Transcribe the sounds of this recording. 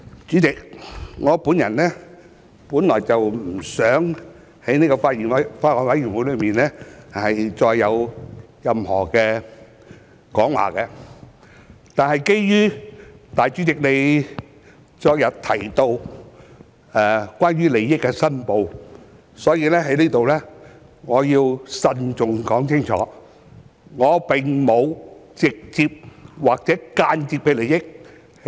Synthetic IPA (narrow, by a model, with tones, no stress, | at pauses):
t͡ʃyː˨˥t͡sɪ˨k̚ŋɔː˨˧˥puː˨˥njɐ˨˩nlɛː˥ | puː˨˥nlɔː˨˩jt͡sɐ˨wm̩˨˩sœː˨˥ŋ | hɐ˨˥jniː˥kɔ˧faː˧t̚jiː˨˩nfaː˧t̚hɔː˨˧nwɐ˨˦jɥyː˨˩nwu˨˥jlɵ˨˧ɥmiː˨nlɛː˥hɐ˨jt͡sɔː˧jːɐ˨˧w | jɐ˨mhɔ̰ː˨˩kɛː˧ | kɔː˨˥ŋwa̰ː˨˩kɛ˧ | t̪aː˨nhɐ˨jke˥jjyː˥t̪aː˨jt͡ʃyː˨˥t͡sɪ˨k̚ne˨˧j | t͡ʃɔː˧k̚jɐ˨t̚t̪ʰɐ˨˩jt̪o˧w | ɛ˨kwʷaː˥nɥyː˥le˨jːɪ˥kːɛː˧sɐ˥npo˨˧w | sɔː˨˥jiː˧lɛː˥ɦɐ˨˥jnliː˥t̪o˨wlɛː˥ | ŋɔː˨˧jiː˧wsɐ˨˧nt͡sʊ˨ŋkɔː˨˥ŋt͡sʰɪ˥ŋt͡ʃʰɔ̰ː˨˥ | ŋɔː˨˧pɪ˨˩ŋmo˨˧wt͡sɪ˨k̚t͡siː˧p̚waː˨˩k̚t͡sɛː˨˥kaː˧nt͡siː˧pːe˨˧˥jle˨˩jɪ˥k̚